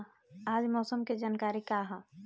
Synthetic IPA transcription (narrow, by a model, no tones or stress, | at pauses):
aːd͡ʒmɔːsəmked͡ʒaːnkaːɾikaɦã